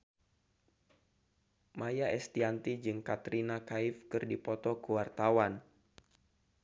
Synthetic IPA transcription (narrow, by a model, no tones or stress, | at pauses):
majaɛst̪iant̪id͡ʒɨŋkat̪ɾinakaifkɨrdipɔt̪ɔkuwart̪awan